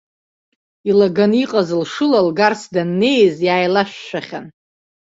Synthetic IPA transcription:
ilaɡaniqʼazɨlʂɨlalɡarsdanːe̞jzjaːjlaʃʷᶣːaχʲan

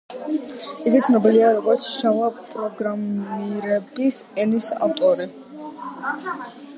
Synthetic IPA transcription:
iɡit̪sʰnɔbiliaɾɔɡɔɾt̪sʰʃavapʼɾɔɡɾamiɾɛbisɛnisa̰ft̪ʼɔɾi

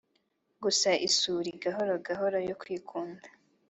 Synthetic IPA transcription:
ɡusaʔisuɾiɡaɦoɾo̞ɡaɦoɾojokwiːkʰuːndḁ

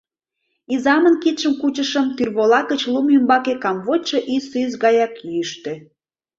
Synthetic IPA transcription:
izɑmənkit̪ʃəmkut͡ɕəʃəmt̪yrβolɑkət͡ɕlumymbɑkekɑmβot͡ɕoʔisyz̬ɣɑjɑkyəʃt̪ĕ

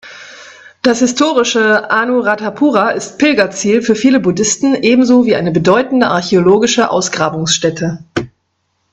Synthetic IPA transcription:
d̥ashɪstʰoːʁɪʃəʔaːnuʁatapʰuːʁaʔɪst̚pɪlɡɐt͡siːlfyːɐfiːləbudɪstn̩ʔeːbm̩zoːviːʔaɪnəbədɔʏtn̩dəʔa̰ɐçeoloːɡɪʃəʔa̰ʊsɡ̥ʁaːbʊŋsʃtɛtʰə

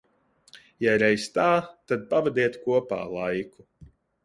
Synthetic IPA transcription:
jaɾɛjst̪aːt̪ad̪̚pavɛd̪iɛt̪kuɔpa̰ːlˠajku

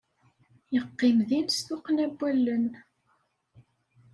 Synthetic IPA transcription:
jəqːɪmðinsθʊqnæbːælːən

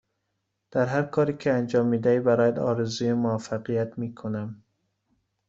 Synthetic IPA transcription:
d̪̥æɾɦæɾkʰɒːɾiːkʰeænd͡ʒɒːmːiːd̪æiːbæɾɒːjæd̪ɒːɾezuːjemoæfːæɣijæt̪miːkʰonæm

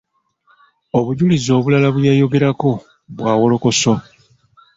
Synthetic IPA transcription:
oβuɟulizo̞ːβulalaβujajo̞ɡe̞ɾako̞ | βwaːwo̞lo̞ko̞so̞

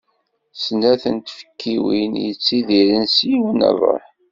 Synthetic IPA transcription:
snæθənt̪fə̥kʰːiwḭnjət͡sːiðiɾənsjiwənə̰ðˤə̰ħ

